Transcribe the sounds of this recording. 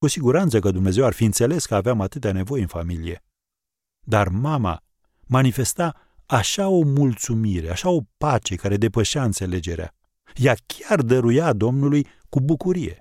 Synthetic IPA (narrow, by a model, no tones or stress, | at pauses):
kusiɡuɾant̪səkəd̪umne̞ze̞warfiɨnt̪se̞le̞skəaveamat̪ɨt̪eane̞vo̞jɨnfamilije̞ | d̪armama̰ | manife̞st̪a | aʃao̞mult̪sumiɾe̞aʃao̞pat͡ʃe̞kaɾe̞d̪e̞pəʃaɨnt̪se̞le̞d͡ʒe̞ɾea̰ | jakʲʰard̪əɾujad̪o̞mnuluj | kubukuɾije̞̰